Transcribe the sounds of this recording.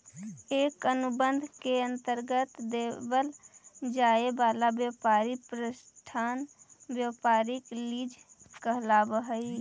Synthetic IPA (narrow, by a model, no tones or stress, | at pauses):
eːkənʊbənd̪ʱkeə̃nt̪əɾɡət̪d̪eːbəld͡ʒaːebaːlabjəpaːɾipɾəsʈʰaːnbjəpaːɾɪkliːd͡ʒkəɦlabəɦəi